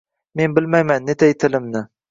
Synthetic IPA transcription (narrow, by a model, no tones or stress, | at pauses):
me̞nbɪlmajmanːet̪ʰajt̪ʰɪlɪmnɪ